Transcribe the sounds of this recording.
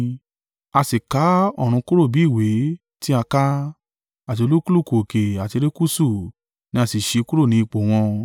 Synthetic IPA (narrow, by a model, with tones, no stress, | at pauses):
a˧si˨ka˨˦ɔ˦˨ɾ̃ũ˧ku˦ɾo˦˨bi˨˦i˦˨we˨˦ | ti˦a˧ka˦ | a˨t̬i˧o˧lu˦ku˦lu˦˨ko˨o˨ke˨a˨ti˧ɾi˦ku˦su˦˨ | nĩ˧˦a˧si˨ʃe˧ku˦ɾo˦˨nĩ˨˧i˧k͡po˨w̃ɔ̃˧